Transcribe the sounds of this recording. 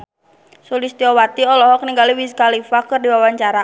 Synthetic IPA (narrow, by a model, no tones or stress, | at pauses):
sulist̪iɔwat̪iɔlɔɦɔk̚niŋɡaliwiskalifakɨrdiwawaɲt͡ʃaɾa